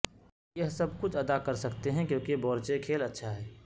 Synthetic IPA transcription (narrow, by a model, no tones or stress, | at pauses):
jɐɦsɐbkʊt͡ʃʰɐd̪akɐɾsɐkt̪eɦɛ̃kjõːkibɔːɾt͡ʃekʰeːlɐtːʃʰaɦɛː